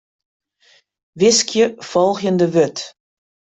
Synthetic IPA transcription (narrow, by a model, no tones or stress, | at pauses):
ʋɪskjəfɔlˠxjəndəʋøt